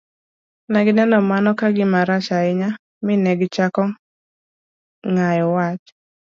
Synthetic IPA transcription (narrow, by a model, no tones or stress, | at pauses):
naɡɪnɛnɔmanɔkaɡɪmaɾat͡ʃaɪɲa | mɪnɛɡt͡ʃakɔ | ŋajɔwat͡ʃ